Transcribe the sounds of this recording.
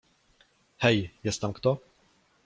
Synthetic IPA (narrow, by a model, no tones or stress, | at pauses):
hɛjjɛst̪amkt̪ɔ